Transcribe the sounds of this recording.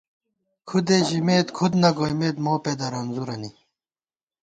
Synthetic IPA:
kʰud̪eːʑimeːt̪kʰud̪nɐɡojmeːt̪moːped̪ɐɾɐnzuɾɐni

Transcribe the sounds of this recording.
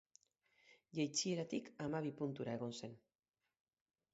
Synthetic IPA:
ʝejt͡sie̞ɾat̪ikamaβ̞ipunt̪uɾae̞ɣ̞o̞nse̞n

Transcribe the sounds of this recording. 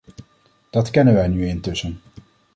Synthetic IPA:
d̥ɑtkɛnənʋɛjnyɪntɵsən

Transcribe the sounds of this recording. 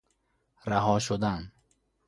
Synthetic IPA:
ɾaɦɔʃod̪an

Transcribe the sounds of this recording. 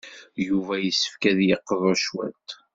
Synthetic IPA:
juvæjəsːə̥fkæðjəqːəðˤæʃwæ̰t̪

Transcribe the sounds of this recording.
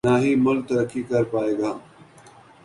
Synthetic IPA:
naːɦiːmʊl̚t̪əɾəkːikɐɾpaːeːɡaː

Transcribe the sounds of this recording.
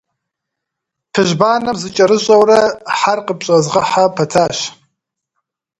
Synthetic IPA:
pʰɨʒbaːnɐmzɨt͡ʃʼɐɾɨɕʼɐwrɐħarqəpɕʼɐzʁɐħapʰɐtʰaːɕ

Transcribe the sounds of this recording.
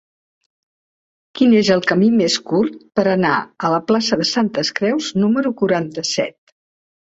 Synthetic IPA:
kinezəlˠkəmimeskurt̪̚pəɾəna̰ələplasəðəsant̪əskɾɛwznuməɾukuɾant̪əsɛ̰t̪̚

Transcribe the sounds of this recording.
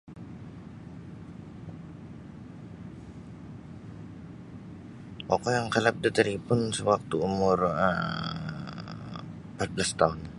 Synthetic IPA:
okojaŋkəlap̚dit̪əɾipʊnsəwak̚t̪uːmʊrə | mpat̪̚blast̪aʊn

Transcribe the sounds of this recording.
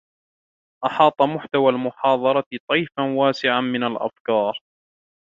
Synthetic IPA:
ʔɑħɑːt̪ˤɑmʊħt̪awaːlmʊħɑːd̪ˤɑɾˤɑt̪ˤijfanwaːsɪʕanmɪnalʔa̰fkɑːɾ

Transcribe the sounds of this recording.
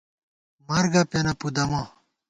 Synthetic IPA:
mɐɾɡɐpenɐpud̪ɐmɐ̃

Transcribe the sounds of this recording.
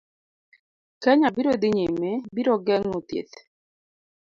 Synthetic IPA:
kɛɲabiɾod̪ɪɲemebiɾɔɡɛŋot̪ḛt̪

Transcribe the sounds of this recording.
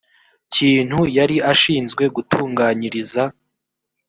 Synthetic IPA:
ciːn̥hujaɾiʔaʃiːnzɡwe̞ɡutʰuːŋɡaːɲiɾiza

